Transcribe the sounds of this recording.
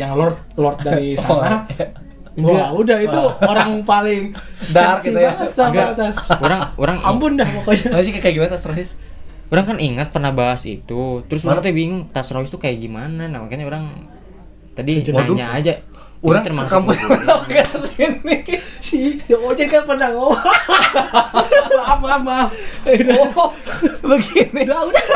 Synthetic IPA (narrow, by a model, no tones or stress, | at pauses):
jaŋlɔrt̪̚lɔrt̪daɾisamaɾ | jaudahiuoɾaŋpalɪŋdaarkiiaaŋsaɡat̪asuɾaŋuɾaŋampʊndaasiakajaɡimanat̪asɾaɦɪs | uɾaŋkaniŋət̪̚pərnahbaɦasḭt̪ut̪əɾʊs̬uat̪abiiŋʊŋt̪asɾahɪst̪ukajaɡimananamakaɲauɾaŋ | t̪adiaɲaad͡ʒa | uɾaŋt̪ənmakampʊnaakaasinɪsijaot͡ʃɛnkanpərnaŋoa | aapapad | bəɡinɪdauda